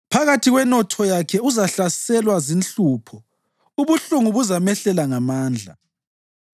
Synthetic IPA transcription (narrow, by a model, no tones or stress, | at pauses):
pʰaɣatʰiɣwɛnɔtʰɔjakʰɛuzaɬasɛlwazint͡ɬuːpʰɔ | uβuɬuŋuβuzamɛɬɛlaŋamaːnd͡ɮʱa̰